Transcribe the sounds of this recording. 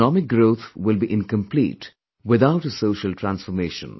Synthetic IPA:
nɔmɪk̚ɡɾoːt̪ʰwɪlbiʔɪ̃nkə̃mplḭːʈ | wɪd̪aʊʈəsoːʃəlʈʰɾæ̃nsfɔɾmeːʃə̰̃n

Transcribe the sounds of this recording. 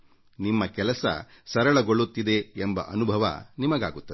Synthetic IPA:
nimːɐkɛlɐsɐ̰sɐɾɐɭɐɡoɭːut̪ːid̪e̞ːmbɐ̰ʔɐnubʱɐʋɐ̰nimɐɡa̰ːɡut̪ːɐd̪e

